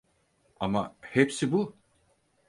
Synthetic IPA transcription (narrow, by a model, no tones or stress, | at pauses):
amahepsibu